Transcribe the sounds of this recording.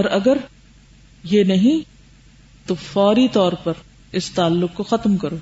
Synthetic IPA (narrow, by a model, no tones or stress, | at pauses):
ɔːɾɐɡəɾ | jenɐɦĩ | t̪ofɔːɾit̪ɔːɾpɐɾ | ɪst̪aːlːʊkkoxɐt̪mkɐɾoː